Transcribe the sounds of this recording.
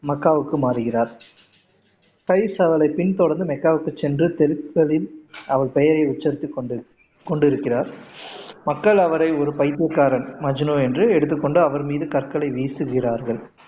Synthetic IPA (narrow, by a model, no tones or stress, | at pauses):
mɐkːaːʋɯkːɯmaːɾɯɣɪraːɾ | kɐɪsɐʋɐɭɐɪpɪnt̪ɔɽɐɾnd̪ɯmɛkːaːʋɯkːɯt͡ʃːɛndrɯt̪ɛɾɯkːɐɭɪlɐʋɐɭpɛjɐɾɐɪʊt͡ʃːɐɾt̪ːik | kɔɳɖɪɾɯkːɪraːɾ | mɐkːɐɭɐʋɐɾɐɪɔɾɯpɐɪt̪ːɯkːaːɾɐnmɐd͡ʒɪnoːɛndrɯɛɽɯt̪ːɯkːɔɳɖɯɐʋɐɾmiːðɯkɐɾkɐɭɐɪʋiːsɯɣɪraːɾɣɐɭ